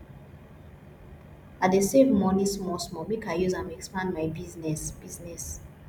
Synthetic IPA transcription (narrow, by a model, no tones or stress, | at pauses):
adesevmɔnĩsmɔsmɔmikajuzãmɛkspãndmaɪbiznɛsb̥iznɛs